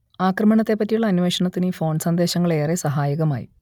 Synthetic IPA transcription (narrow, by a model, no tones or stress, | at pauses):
aːkrɐmɐɳɐt̪ːe̞pːɐtːijuɭːɐːnuʋeːʂɐɳɐt̪ːinɨifo̞ːɳɖsɐnd̪e̞ːɕɐŋːɐɭeːresɐɦaːjɐɣɐma̰ːjḭ